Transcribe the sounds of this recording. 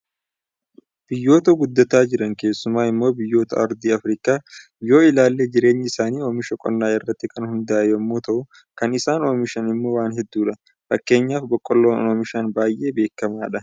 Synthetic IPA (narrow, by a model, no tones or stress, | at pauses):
b̥ɪjːo̞ːt̪ɐɡʊd̪ːɐt̪aːd͡ʒɪɾɐnke̞ːsːʊmaːɪmːo̞ːbɪjːo̞ːt̪ɐɐɾd̪iːɐfɾɪːkaː | jo̞ːɪlaːlːeːd͡ʒɪɾe̞ːɲːɪɪsaːniːoːmɪʃɔkʼɔ̰nːaːɪrːɐt̪ːɪkɐnhʊnd̪ɐaːjɐmːoːt̪ɐʔʊ | kɐnɪsaːno̞ːmɪʃɐnɪmːo̞ːwaːnɦɛd̪ːuːᶑɐ | fɐkːe̞ːɲːaːfbɔkʼːɔlːoːnoːmɪʃɐnbaːjʔːe̞ːbe̞ːkːɐmaːᶑɐ